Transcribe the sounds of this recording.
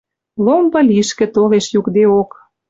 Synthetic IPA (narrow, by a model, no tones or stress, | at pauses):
lombɤ̆lʲiʃkĕt̪oleʃjukd̪eok